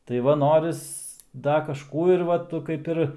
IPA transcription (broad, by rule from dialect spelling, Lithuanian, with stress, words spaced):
tɐɪ ˈʋɐ ˈnoːrʲɪs ˈdɐ kɐʃˈkuː ɪr ˈʋɐ tʊ kɐɪp ˈɪr